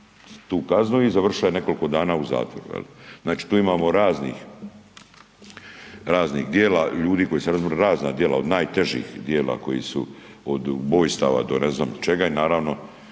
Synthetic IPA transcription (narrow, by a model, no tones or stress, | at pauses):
t̪uːkaznuizaʋr̩ʃaene̞ko̞liko̞d̪aːnaːuza̰ːt̪ʋo̰ɾṵjḛliznaːt͡ʃi̥ːt̪uːimaːmo̞ɾaːznḭːx | ɾaːznixd̪jeːlaʎuːd̪iːko̞jiːseɾazmoɾeɾaːznad̪jela̰od̪naːjt̪e̞ʒḭːxd̪jeːla̰ko̞jḭsṵ | od̪bo̞ːjst̪aːʋa̰d̪o̞neznaːmt͡ʃeɡainaːɾaːʋno̞